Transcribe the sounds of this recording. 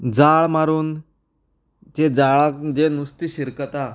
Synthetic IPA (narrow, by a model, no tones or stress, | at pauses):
d͡zaɭmaɾuːn | t͡ɕed͡zaɭakd͡ʑenust̪iɕiɾkət̪a